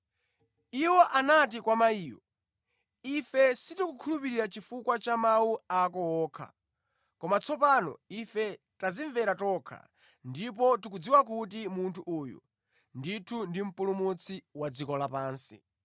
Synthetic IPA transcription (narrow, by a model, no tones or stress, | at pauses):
iwɔʔanat̬ikwamaiːwɔ | ifɛsitukukʰulupiɾiɾat͡ʃifukwat͡ʃamawuakɔwɔːkʰa̰ | kɔmat͡sʰɔpanɔ̰ifɛ | taziɱvɛɾatɔkʰa̰ | ndip̬ɔtukud͡ziwakut̬imuntʰuʔuːjṵ | nditʰundim̩pulumut͡sʰiwad͡zikɔlapaːnsḭ